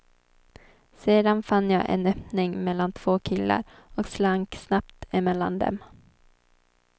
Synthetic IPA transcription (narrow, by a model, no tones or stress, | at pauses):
seːd̪anfanːjaːʔɛ̰nœpnɪŋmɛlːant̪ʰv̥oːkʰɪlːa̰ɾ | ɔkslaŋksnapt̪ɪmɛlːa̰nd̪ɛ̰m